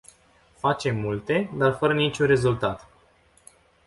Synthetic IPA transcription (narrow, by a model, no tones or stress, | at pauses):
fat͡ʃe̞mːult̪e̞d̪arfəɾənit͡ʃʲunre̞zult̪at̪